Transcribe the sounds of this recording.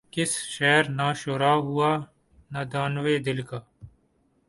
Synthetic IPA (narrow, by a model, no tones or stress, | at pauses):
kɪsʃɛːɾnaːʃoːɾaːɦuaː | nad̪aːnʋeːd̪ɪlkaː